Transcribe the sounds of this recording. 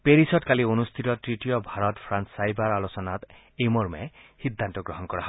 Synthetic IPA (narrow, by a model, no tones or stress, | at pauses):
peɹisɔtkalionust̪ʰitɔtɹitijɔbʱaɹɔtpʰɹanssajbaɹalɔsɔnat̪ | ejmɔɹmɛ̰hid̪ʱːantɔɡɹɔɦɔnkɔɹaɦɔ